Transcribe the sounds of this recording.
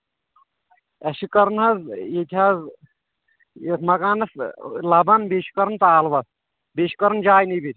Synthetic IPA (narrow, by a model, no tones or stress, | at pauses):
ɐʃikɐɾnɦɐzjet̪ʰʲaz | jesmɐɡaːnɐslɐbɐnbeʃi̥kɐɾnt̪aːlʋɐs | beʃi̥kɐɾɐnd͡ʒaːjnibit̪ʲ